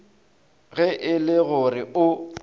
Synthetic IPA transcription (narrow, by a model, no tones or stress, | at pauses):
ɣɛʔɪlɪɣʊrɪʊ